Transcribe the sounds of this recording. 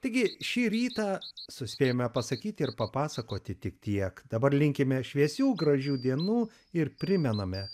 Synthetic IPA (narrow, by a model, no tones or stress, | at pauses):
t̪ɐɪɡʲɪʃʲiːɾʲiːt̪ɑːsʊsʲpʲeːjoːmʲɛpɐsɐkʲiːt̪ʲɪɾpɐpɑːsɐkoːt̪ʲɪt̪ʲɪkt̪ʲiɛkd̪ɐbɐrlʲɪŋʲkʲɪmʲɛʃʲʋʲiɛsʲuːɡɾɐʒʲuːd̪ʲiɛnuː | ɪɾpʲɾʲɪmʲɛnɐmʲɛ